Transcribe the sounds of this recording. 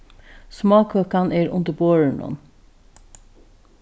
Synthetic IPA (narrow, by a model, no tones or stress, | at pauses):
smɑːkʰøːkɑnʔeːɹʊ̰nd̪əboːɹəɳɔ̰n